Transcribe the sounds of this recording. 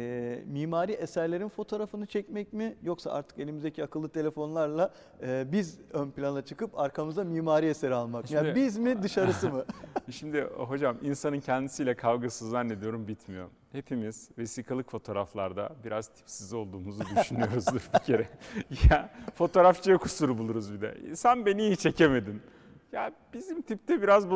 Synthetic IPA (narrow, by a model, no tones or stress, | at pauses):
ɛːmiːmaːɾiʔesæɾlʲeɾinfo̞t̪ʰo̞ːɾafɯnɯt͡ʃʰɛcmɛc̚mijo̞ksa̰ʔa̰ɾt̪ʰɯ̥ke̞lʲimizd̪ecʰiakʰɯlˠːɯt̪ʰe̞lʲe̞fo̞nlˠaɾlˠa | ɯːbizønplʲanat͡ʃʰɯkɯpaɾkʰamɯzd̪amiːmaːɾieseɾialˠmakmjabizmid̪ɯʃaɾɯsɯmɯʃimd̪ɪɦo̞d͡ʒaminsanɯncʰɛnd̪isijlʲɛkʰavɡasɯzlˠaɾne̞d̪ijo̞ɾumbit̪ʰmijo̞̰ɾumhe̞pʰimiz̥ve̞siːkʰalˠɯkfo̞t̪ʰo̞ːɾaflˠaɾd̪a̰biɾaz̥t̪ʰi̥psizo̞lˠd̪uːmuzud̪yʃynyjo̞ɾuzd̪ɯɾbicʰe̞ɾɛjafo̞t̪ʰo̞ɾaft͡ʃʰajakʰusuɾubulˠuɾuzbid̪ɛ̰ḭsænbe̞niːit͡ʃʰe̞cʰeme̞d̪in | jab̥izimt̪ʰip̚t̪ʰɛbiɾazbu